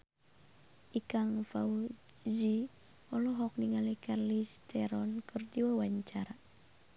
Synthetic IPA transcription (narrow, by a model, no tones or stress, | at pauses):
ʔikaŋfaud͡ʒi | ɔlɔɦɔk̚niŋalikarlist͡ʃɛɾɔnkʰərd͡ʒiwawaɲt͡ʃaɾa